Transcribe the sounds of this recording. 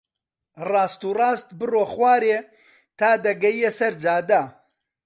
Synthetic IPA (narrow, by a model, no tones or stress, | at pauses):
rɑːst̪uːrɑːst̪bɨroːχwaːɾeː | t̪ʰaːd̪ɐɡɐjjesɐɾd͡ʒaːd̪a